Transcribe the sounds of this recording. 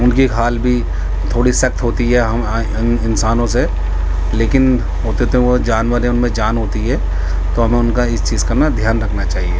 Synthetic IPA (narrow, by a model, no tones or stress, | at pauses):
ʊnkiɦaːlbʱi | t̪ʰoːɽisɐk̚t̪ɦoːt̪iɦɛɦɐm | ɪnsaːnõse | leːkɪn | ɦoːt̪et̪ood͡ʒaːnwəɾɦɛ̃ʊnmẽd͡ʒaːnɦoːt̪iɦɛ | t̪oɦɐmẽʊnkaɪst͡ʃiːzkɐɾnad̪ʱjaːnɾɐkʰnat͡ʃaːɦieː